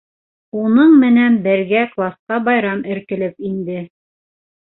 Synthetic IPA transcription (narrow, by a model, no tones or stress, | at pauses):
unɤɴmɘ̆nænbɘ̆ɾɡæklˠɑsqɑbɑjɾɑmɘ̆ɾkɘ̆lɘpind̪ɘ